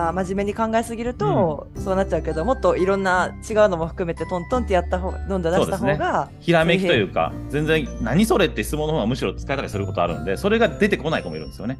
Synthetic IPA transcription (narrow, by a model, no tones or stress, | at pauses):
amaʑime̞ɲ̟ikãŋɡaesɨɡʲiɾɯ̟t̪o̞so̞ːnat͡ɕ̚ːt͡ɕːaɯ̟ke̞ed̪o̞mo̞t̪ːo̞iɾõ̞nːat͡ɕiɡaɯ̟no̞moɸɯ̥kɯ̟me̞t̪e̞t̪õnt̪õ̞nt̪ːejat̪ːaɦod̪õ̞nd̪od̪aoːd̪et̪ashoneɡaçiɾamekʲit̪o̞jɯ̟ːka̰ | d͡zẽ̞nd͡zẽ̞ɰ̃naɲ̟iso̞ɾe̞t̪ːe̞çi̥t͡sɨmonːohoːɡamɯ̟ɕiɾo̞t͡sɨ̥kae̞t̪aɾʲisɨɾɯ̟ko̞t̪o̞a̰ɾɯ̟̰̃nd̪eso̞ɾe̞ɡad̪e̞t̪e̞ko̞naikomoiɾɯ̟nd̪esɨjone̞